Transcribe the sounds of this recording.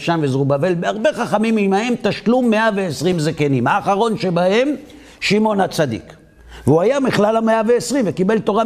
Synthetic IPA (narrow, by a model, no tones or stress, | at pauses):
ʃanvezʁubave̞lbeaʁbe̞χaχamimimahe̞mt̪aʃlumːeaveesʁimzekenimhaːχaʁo̞nʃe̞bahe̞m | ʃimo̞nhat͡sad̪ḭk | veuajamiχlalameaveːsʁimvekibe̞lt̪o̞ʁa